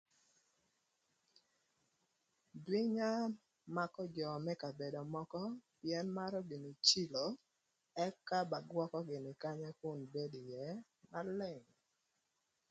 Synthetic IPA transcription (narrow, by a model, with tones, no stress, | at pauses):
dwi˦ɲa˦ | ma˦kɔ˦d͡ʒɔ˨mɛ˦ka˨be˨dɔ˨mɔ˦kɔ˦pɪ˨ɛ˦nma˦ɾɔ˦ɡɪ˨nɪ˨t͡ʃi˦lo˨ | ɛ˦kːa˦ba˨ɡwɔ˦kɔ˦ɡɪ˨nɪ˨ka˦ɲɛ˦kʊ˦˨nbe˦di˨jɛ˨˦ | ma˦lɪ˦˨ŋ